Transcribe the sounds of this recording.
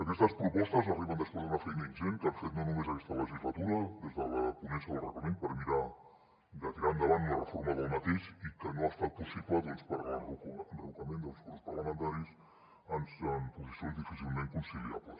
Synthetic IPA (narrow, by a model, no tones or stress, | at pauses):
əkɛst̪əspɾupɔst̪əzariβənd̪əspwezðunafɛjnəinʒeŋkaɱfet̪nonumezəkɛst̪ələʒizlət̪uɾəðezðələpunɛnsiəðlˠrə̰ɣləmenpəɾmiɾa | d̪ət̪iɾand̪əβanlərəfoɾməðəlˠmət̪eʃikənoast̪at̪̚pusip̪at̪onspəɾəkənrəukəmend̪əlˠskuɾspərləmənt̪aɾis | ənsəmpuzisionzðifisilˠmeŋkunsilia̰plə̰s